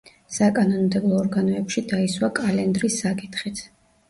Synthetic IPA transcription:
sakʼanɔnmd̪ɛblˠɔːɾɡanɔɛpʃid̪aiswakʼalɛnd̪ɾisːakʼit̪ʰχit̪ʰ

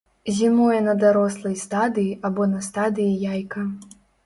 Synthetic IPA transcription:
zʲimɔjɛnɐd̪aɾɔslˠɐjst̪ad̪ɨjiʔabɔnɐst̪ad̪ɨjijajkɐ

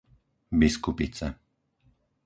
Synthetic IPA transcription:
biskupit͡sa

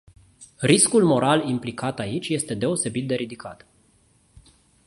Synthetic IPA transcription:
riskulmo̞ɾalimplikat̪ait͡ʃʲje̞st̪e̞d̪e̞o̞se̞bit̪̚d̪e̞ɾid̪ikʰa̰t̪

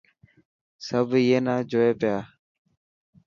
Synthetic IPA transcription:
səbʱijeːnãːd͡ʒoːeːpɪjaː

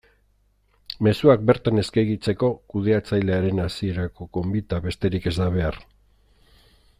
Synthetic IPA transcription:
me̞suak̚be̞ɾt̪ane̞skajɣit͡se̞ko̞kuðe̞at͡sajle̞aɾe̞nasie̞ɾako̞ko̞mbit̪aβe̞st̪e̞ɾike̞zd̪aβ̞e̞aɾ

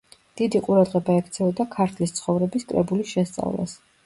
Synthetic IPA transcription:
d̪̥id̪iqʼuɾad̪ʁɛbaɛkʰt̪sʰɛɔd̪akʰaɾt̪ʰlist̪sʰχɔvɾɛbiskʼɾɛbulisʃɛst̪sʼa̰vlˠa̰s

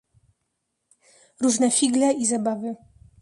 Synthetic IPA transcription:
ɾuʐnɛfʲiɡlɛizabavɘ

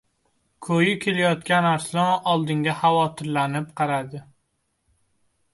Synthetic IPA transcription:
kʰɵjɪkʲʰe̞lajɒt̪kʲanaɾslˠɒɒlˠd̪ɪŋʲahavɒt̪ʰɪɾlanɪp̚qʰɑɾad̪ɪ

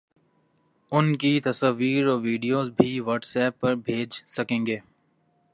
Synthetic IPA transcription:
ʊnkit̪ɐsaʋiːɾɔːʋiːɖijoːzbʱiʋɔːʈsɛːpːɐɾbʱeːd͡ʒsɐkẽːŋɡeː

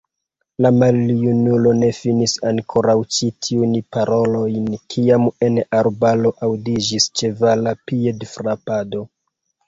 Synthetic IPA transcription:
lamaljunulo̞ne̞finisaŋkʰo̞ɾawt͡ʃitʰiunpaɾʔo̞lo̞jnkʰiame̞naɾbalo̞ʔawdid͡ʒist͡ʃe̞valapiedfɾapado̞

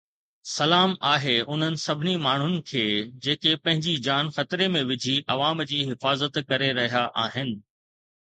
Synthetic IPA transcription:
sɐlaːmaːɦeʊn̤ənɪ̆sɐbʱɪnimaːɳ̤ʊnɪ̆kʰeːd͡ʑeːkepɐ̃ɦɪ̃ɲd͡ʑid͡ʑaːnxɐt̪ɪɾemẽʋɪd͡ʑʱiʔɐʋaːmd͡ʑiːɦɪfaːzət̪kɐɾeɾɐɦijaʔaːɦɪnɪ̆

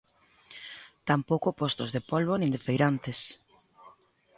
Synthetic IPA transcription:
t̪ampowkopɔst̪ozðepolβonĩnd̪efejɾant̪es

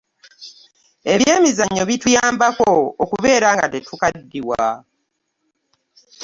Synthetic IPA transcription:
e̞βje̞ːmizaɲːo̞βitujaːmbakookuβe̞ːɾaːŋɡatetukadːiwa

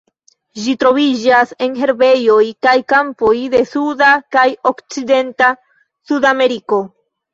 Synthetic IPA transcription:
d͡ʒitɾo̞vid͡ʒase̞nɦe̞ɾbe̞jo̞jkajkampo̞jde̞sudakajo̞kt͡side̞nta | sudame̞ɾiko̞

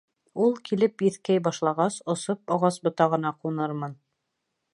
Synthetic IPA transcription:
ulˠkilɘpjɘ̆θkæjbɑʃlˠɑʁɑsŏsopɑʁɑsbŏt̪ɑʁɤ̆nɑqunɤɾmɤn

